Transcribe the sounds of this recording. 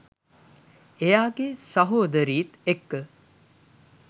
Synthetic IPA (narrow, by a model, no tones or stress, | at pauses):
ejaːɡesɐɦoːd̪əɾiːt̪ekːə